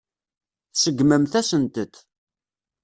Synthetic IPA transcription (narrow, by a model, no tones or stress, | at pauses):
θsəɡməmθæsənt̪ət̪